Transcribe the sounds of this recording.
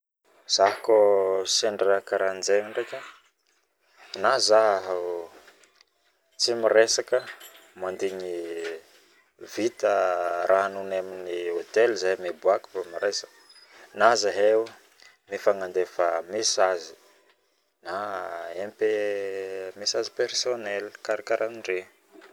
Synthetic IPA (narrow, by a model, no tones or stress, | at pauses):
z̥aɦakoseɳɖ͡ʐeakaɾand͡zeŋaɳɖ͡ʐekə | nazaɦɦ | t͡simiɾesakə | mand̪iɲi | v̥it̪əɾʔaɦanunaminiot̪elzamebuaku̥famiɾesak | nazaɦew | mifaŋand̪efəmesazi̥ | naempe | mesazipersonelikaɾakaɾanɳɖ͡ʐe